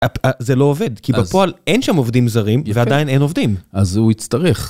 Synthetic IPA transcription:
apazelo̞ove̞dkibapo̞alenʃamovd̪imzaʁimvead̪ajinejno̞vd̪imazuit͡st̪ɐʁeχ

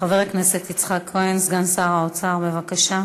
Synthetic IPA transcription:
χaveʁekneset̪it͡sχakʰːoensɡansaːʁaot͡saʁbevakaʃa

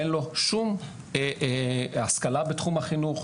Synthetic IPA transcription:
enlo̞ʃum | askalabetχumhaχinuχ

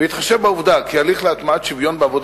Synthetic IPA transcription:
eit̪χaʃevbauvd̪akialiχleat̪maat̪ʃivjo̞nbeavo̞d

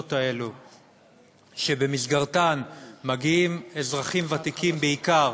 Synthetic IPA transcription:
ot̪aelu | ʃe̞bemizɡaʁtanmaɡiimezʁaχimvat̪ikimbeikaʁ

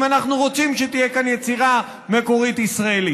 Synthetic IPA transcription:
manaχnuʁo̞t͡simʃet̪ijekanjet͡siʁa | me̞ko̞ʁit̪isʁaeli

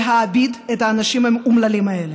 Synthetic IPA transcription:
ɦaːbid̪et̪haːnɐʃimamumlɐlimɐele

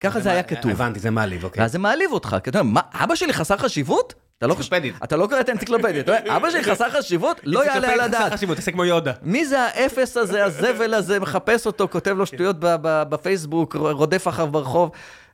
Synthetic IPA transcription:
kaχazeajakat̪uvvant̪izemaalḭvkvea̰zːemaːlivo̞t̪χa̰ktomemaa̰baʃeliχasaʁχaʃivut | t̪aloediat̪alo̞koʁet̪aentsikloped̪iat̪aoeabaʃeliχasaʁχaʃivutlojjalealadatʃivut̪ːasekmojod̪amizeaʔe̞fe̞saze̞azeve̞lazeme̞χape̞so̞t̪o̞ko̞tevlo̞ʃtujo̞t̚bababafejs̬bukʁo̞d̪e̞faχavbeʁeχo̞v

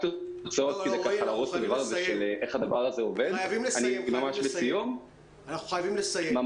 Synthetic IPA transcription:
t̪o | t͡soatkid̪ekaalaʁot͡sad̪avaʁazeʃeleʔeχad̪avaʁazeove̞d̪vimanimamaʃbesijum | anaχuχajavimlesajma

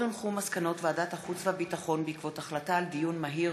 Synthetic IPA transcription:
inχumaskano̞tveadataχut͡sveabitaχo̞nbeikvo̞taχlataːldijunmaɦi

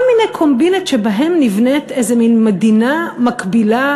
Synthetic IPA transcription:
lminejkʰo̞mbinetʃebaɦemnivnetejzeminmedinamakbila

